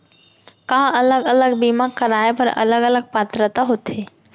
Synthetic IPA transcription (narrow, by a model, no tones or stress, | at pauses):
kãɦɐləɡɐləɡbiːmakəɾaːepɐɾɐ̰ləɡələɡ̚paːt̪ɾət̪aɦot̪ʰeː